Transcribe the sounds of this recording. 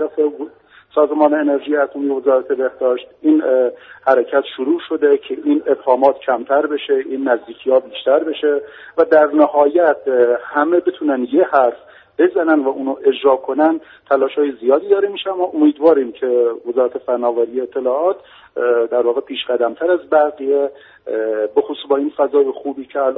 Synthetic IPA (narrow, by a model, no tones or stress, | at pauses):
æɾæfe | sɒːzemɒːneene̞ɾʒiːjeæst̪omijeve̞zɒːɾæt̪ʰe̞be̞hd̪̥ɒːʃt̪̚iːnhæɾecʰæt̪ʃoɾuːʃo̞d̪ecʰe̞ʔiːne̞bhɒːmɒːt̪cʰæmt̪ʰæɾbe̞ʃe̞ʔiːnːæzd̪iːcʰiːhɒːbiːʃt̪æɾbe̞ʃe̞væd̪æɾnæhɒːjæt̪̚ʰhæmebet̪ʰuːnænjehæɾf | b̥e̞zænænd̪væuːnuʔe̞d͡ʒɾɒːkʰo̞nænd̪ | t̪ʰælɒːʃhɒːjezijɒːd̪iːd̪ɒːɾemiʃeæmːɒːʔomiːd̪vɒːɾiːmcʰe̞ve̞zɒːɾæt̪ʰefænɒːvæɾijeːt̪ʰːe̞lɒːɒːt̪ | d̪æɾvɒːɣepʰiːʃɢæd̪æmt̪ʰæɾæzbæɾɣije | bexosubɒːiːnfæzɒːjexuːbiːcʰeæl